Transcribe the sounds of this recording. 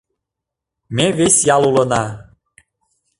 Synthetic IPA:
meβesʲjɑlˠulɤ̆nɑ

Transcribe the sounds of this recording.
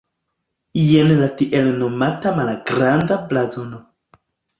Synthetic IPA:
jenlatiʔelno̞matamalɡɾandaplazono

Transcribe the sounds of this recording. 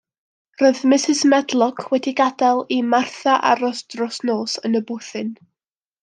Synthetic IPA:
roðmɪsɪsmɛdlˠɔɡʰwɛdiɡadɛlˠimarθaʔa̰ɾɔsd̥rɔsnoːsənəbʊθɨn

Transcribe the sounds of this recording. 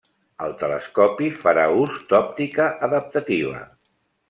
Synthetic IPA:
əlˠt̪ələskɔpifəɾaust̪ɔp̚t̪ikəʔəðəp̚t̪ət̪iβə̰

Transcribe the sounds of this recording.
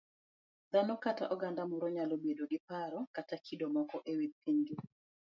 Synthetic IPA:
d̪̥anɔkata̰ʔɔɡandamuɾɔɲalobedoɡɪpaɾɔkatakʰidomɔkɔʔewid̪̚pʰiɲɡɪ

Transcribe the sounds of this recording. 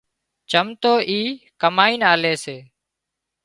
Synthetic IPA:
t͡ʃəmt̪oːʔiːkəmaːiːnaːleːseː

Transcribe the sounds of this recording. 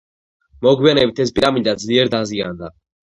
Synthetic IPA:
mɔɡwianɛbit̪ʰɛspʰʼiɾamid̪ad̪zliɛɾd̪azia̰nd̪a

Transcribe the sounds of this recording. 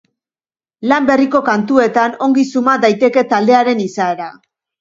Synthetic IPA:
lambe̞riko̞kant̪ue̞t̪ano̞ŋɡisumad̪ajt̪e̞ke̞t̪ald̪e̞aɾe̞nisae̞ɾa

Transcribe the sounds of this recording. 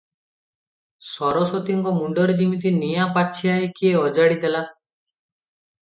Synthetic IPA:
sɔɾɔsɔt̪iŋkɔmuɳɖɔɾɔd͡ʒimit̪inijapat͡ʃʰiaikieɔd͡ʒaɽid̪ela

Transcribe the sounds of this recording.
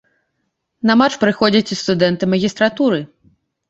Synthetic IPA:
nɐmat͡ʂpɾɨxɔd͡zʲɐt͡sʲist̪ud̪ɛnt̪ɨmɐɣʲist̪ɾat̪uɾɨ

